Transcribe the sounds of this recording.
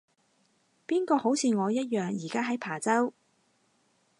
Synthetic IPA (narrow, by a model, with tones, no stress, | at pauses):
piː˥nkɔː˧ho˨˥wt͡sʰiː˧ŋɔː˨˧jɐ˥t̚jœː˨ŋjiː˨˩kaː˥ɦɐ˨˥jpʰaː˨˩t͡sɐ˥w